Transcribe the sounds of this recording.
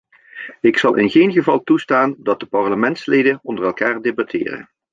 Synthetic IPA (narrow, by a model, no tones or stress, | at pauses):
ɪksɑlˠʔɪ̰nɣejnɣəvɑlˠtustaːndɑt̚dəpɑɹləmɛntslejdənɔndərɛlˠkaːɹdebatʰɪ̰ːrə̰n